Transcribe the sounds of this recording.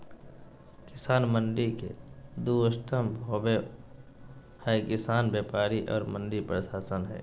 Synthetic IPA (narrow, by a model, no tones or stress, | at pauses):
kɪsaːnmənɖikḛd̪uəst̪ʰəmbʱɦoːbe | həkɪsaːnbjeːpaːɾiʔɔ̰ːɾmə̃nɖipɾəʃaːsənɦɛ̰ː